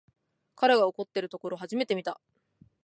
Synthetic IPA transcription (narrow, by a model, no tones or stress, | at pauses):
kaɾeɡaoko̞t̪ːe̞ɾɯ̟t̪o̞ko̞ɾo̞ɦaʑime̞t̪e̞mʲit̪a